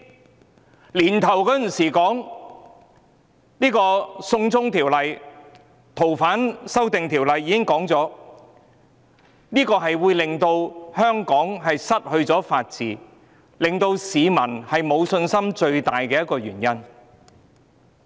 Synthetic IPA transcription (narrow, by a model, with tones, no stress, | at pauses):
liː˨˩nt̪ʰɐ˨˩wkɔ˨˥jsiː˨˩kɔː˨˥ŋ | niː˥kɔː˧sʊ˧ŋt͡sʊ˥ŋt̪ʰiː˨˩wlɐ˨j | t̪ʰo˨˩wfaː˨˥nsɐ˥wt̪ɪ˨ŋt̪ʰiː˨˩wlɐ˨jːiː˨˧kɪ˥ŋkɔː˨˥ŋt͡sɔː˨˥ | niː˥kɔː˧ɦɐ˨jwuː˨˧jlɪ˨ŋt̪o˧whœː˥ŋkɔː˨˥ŋɦɐ˨jsɐ˥t̚hɵ˧ɥt͡sɔː˨˥faː˧t̚t͡siː˨ | lɪ˨ŋt̪o˧wsiː˨˧mɐ˨˩nhɐ˨jmo˨˧wsɵ˧nsɐ˥mt͡ʃɵ˧ɥt̪a̰ː˨jkɛː˧jɐ˥t̚kːɔː˧ɥy̰ː˨˩njɐ˥n